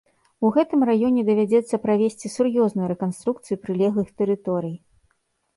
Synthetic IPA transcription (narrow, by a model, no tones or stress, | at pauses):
uɣɛt̪ɨmrajɔnʲɛd̪ɐvʲad͡zʲɛt̪sːɐpɾavʲesʲt͡sʲisurjɔznujuɾɛkanst̪ɾuk̚t̪sɨjupɾɨlʲɛɣˠɨxt̪ɛɾɨt̪ɔɾɨj